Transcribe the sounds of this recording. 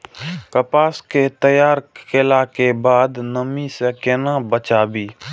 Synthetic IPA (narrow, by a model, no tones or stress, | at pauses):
kəpaːsket̪əjaːɾkɪlaːkebaːd̪nəmisekɪnãːbət͡ʃaːbiː